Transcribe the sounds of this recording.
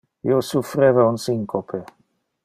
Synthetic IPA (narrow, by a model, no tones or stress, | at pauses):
ḭosufɾeːvaunsiŋkopʰe